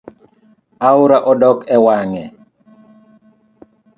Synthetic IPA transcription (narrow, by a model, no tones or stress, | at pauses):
aʊɾaʔɔdɔkɛwaŋɛ